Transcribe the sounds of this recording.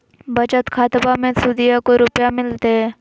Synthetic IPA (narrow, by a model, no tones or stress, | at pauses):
bɐt͡ʃət̪kʰaːt̪bamẽsuːd̪ijakoɾʊpjamɪlt̪eɦɛ̃ː